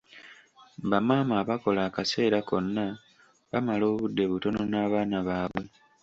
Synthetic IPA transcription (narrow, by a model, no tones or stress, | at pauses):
bamaːmaːβako̞laːkase̞ːɾako̞nːa | βamalo̞ːβudːe̞βuto̞no̞naːβaːnaβaːβwe̞